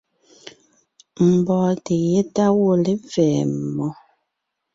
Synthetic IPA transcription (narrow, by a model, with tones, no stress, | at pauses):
m̩˨bɔː˨te˨je˦ta˦wo˦le˦vɛ˨mɔ˨